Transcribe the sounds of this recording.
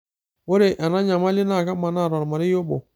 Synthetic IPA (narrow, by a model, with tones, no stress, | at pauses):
wo˦ɾe˨ʔa˨na˦ɲa˨ma˦le˦na˦˨ɣa˦ma˨na˦˨ɾɔ˨ɾma˨ɾi˦jo˦bo̰˨